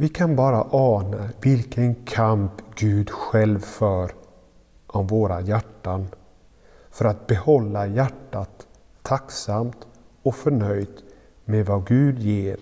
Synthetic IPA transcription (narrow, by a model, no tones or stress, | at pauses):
vɪkʰanbɑːɾaʔɑːnavɪlkənkʰampɡʉ̟ːd̪ɧɛlvfœːɾ | ʔɔmvoːɾajæʈːan | fœɾat̪̚bɛhɔlːajæʈːat̪ʰː | aksamt̪ | ɔkfœɳœjd̪ | mevaɡʉ̟ːd̪jeːɾ